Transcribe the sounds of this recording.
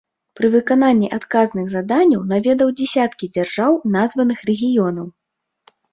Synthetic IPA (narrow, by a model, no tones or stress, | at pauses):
pɾɨvɨkananʲːiʔat̪kaznɨɣzad̪anʲːɐwnavʲɛd̪ɐwd͡zʲɛsʲat̪kʲid͡zʲarʐawnazvɐnɨxrɛɣʲijɔnɐw